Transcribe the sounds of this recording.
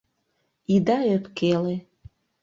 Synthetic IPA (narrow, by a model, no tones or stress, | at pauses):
id̪aøpkele